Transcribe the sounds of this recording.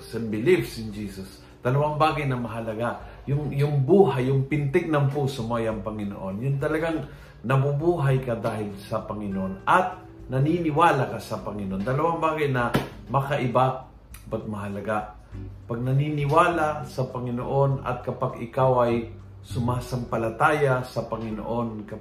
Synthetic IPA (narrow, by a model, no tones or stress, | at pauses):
sɛmbɪlivsɪnd͡ʒiːsʊs | d̪̥ɐlɐwaŋbaːɡajnɐmɐɦɐlɐɡa | jʊŋjʊŋbuːɦajːʊŋpɪnt̪ɛɡ̚nɐmpuːsʊmojɐŋpɐŋɪno̰ʔonjʊnt̪̬ɐlɐɡaŋ | nɐbubuːɦajkɐd̪aːɦɪlsɐpɐŋɪnoʔonɐt̪̚ | nɐninɪwaːlakasɐpɐŋɪnoʔond̪ɐlɐwaŋbaːɡajnɐ | mɐkɐʔɪba | bɐt̪̚mɐɦɐlɐɡa | paɡ̚nɐninɪwaːlasɐpɐŋɪno̰ʔo̞nɐ̰t̪̚kɐpaɡɪkawʔɐj | sʊmaːsaŋpɐlɐt̪aːjasɐpɐŋɪno̰ʔo̞nkɐ